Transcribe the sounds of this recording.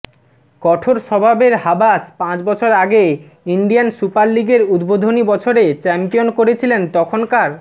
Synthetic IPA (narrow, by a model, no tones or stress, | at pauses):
kɔʈʰoɾʃɔbʱabeɾɦabaspãt͡ɕbɔt͡ɕʰoɾaɡe | iɳɖijansupaɾliɡeɾud̪bod̪ʱonibɔt͡ɕʰoɾet͡ɕɛmpijonkoɾet͡ɕʰilent̪ɔkʰonkaɾ